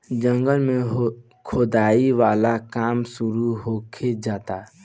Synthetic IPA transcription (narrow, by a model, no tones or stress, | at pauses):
d͡ʒə̃ŋɡəlmẽɦ | kʰod̪aːiʋaːlakaːmsʊɾuɦoːkʰed͡ʒaːt̪aː